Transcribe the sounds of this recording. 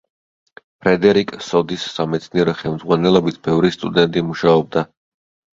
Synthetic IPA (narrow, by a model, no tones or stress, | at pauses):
pʰɾɛd̪ɛɾikʼsɔd̪isːamɛt̪sʰniɛɾɔχɛlˠmd̪zʁwanɛlˠɔbit̪ʰb̥ɛvɾist̪ʼud̪ɛnt̪ʼimuʃaɔb̚d̪a